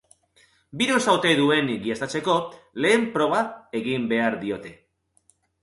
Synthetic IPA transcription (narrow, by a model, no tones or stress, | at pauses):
biɾosawt̪ejðue̞nɡiest̪at͡se̞ko̞le̞ːmpɾo̞β̞ate̞ɣimbe̞aɾðio̞t̪e̞